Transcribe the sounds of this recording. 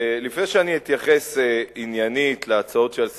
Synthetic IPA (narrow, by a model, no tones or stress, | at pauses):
lifnejʃeaniit̪jaχeseinjanit̪leat͡sao̞tʃels